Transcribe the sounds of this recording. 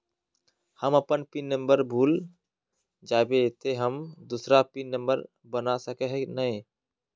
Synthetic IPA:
həməpənpinːə̃mbəɾbʱuːl | d͡ʒaːbet̪eɦəmd̪usɾapinːə̃mbəɾ | bənasəkeɦnəe

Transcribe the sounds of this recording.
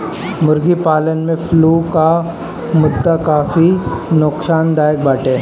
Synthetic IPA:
mʊɾɡipaːlənmẽfʰluːka | mʊd̪ːakaːfinʊksaːnd̪aːjək̚baːʈẽː

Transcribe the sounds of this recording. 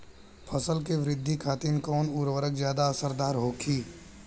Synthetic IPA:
pʰəsəlkeʋɾɪd̪ʱːikʰaːt̪inkɔːnuːɾʋəɾəkzjaːd̪aɐsəɾd̪aːɾɦoːkʰiː

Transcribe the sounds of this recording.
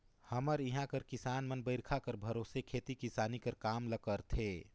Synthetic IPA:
həməɾɪɦãkəɾkɪsaːnmənbəɪɾkʰakəɾbʱəɾoːsekʰeːt̪ikisaːnikəɾkaːmləkəɾt̪ʰeː

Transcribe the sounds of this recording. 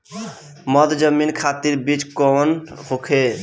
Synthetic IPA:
məd̪d͡ʒəminkʰat̪iɾbit͡ʃkɔnhokʰe

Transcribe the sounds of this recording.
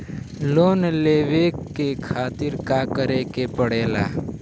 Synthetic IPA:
loːnleːʋekːekʰaːt̪ɪɾkakəɾekepəɽeːla̰ː

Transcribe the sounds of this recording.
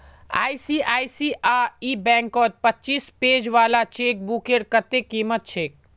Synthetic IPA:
a̰ːisiːʔaːisiːʔaːiːbɛ̃ːŋkɔːt̪̚pətːt͡ʃiːspeːd͡ʒʋaːlat͡ʃeːk̚buːkeɾkət̪ːekiːmət̪̚t͡ʃʰeːk̚

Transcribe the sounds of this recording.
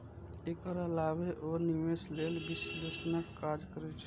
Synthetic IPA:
ekəɾəlabeʔoɾnimeslelbislesənəkːad͡ʒkəɾɛt͡ʃʰ

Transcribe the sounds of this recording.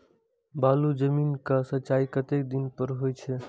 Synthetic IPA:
balud͡ʒəminkasət͡ʃaːikət̪ek̚d̪inpəɾɦojt͡ʃʰɛ

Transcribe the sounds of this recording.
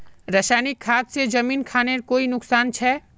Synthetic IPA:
ɾɐʃaːnɪkʰːaːt̪sed͡ʒɐmiːnkʰaːneɾkoːinʊksaːnt͡ʃʰɛː

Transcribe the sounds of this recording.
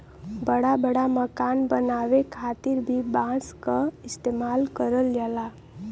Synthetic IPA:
bəɽabəɽaməkaːnbənaʋekʰaːt̪ɪɾbʱibãskəɪst̪emaːlkəɾəljala

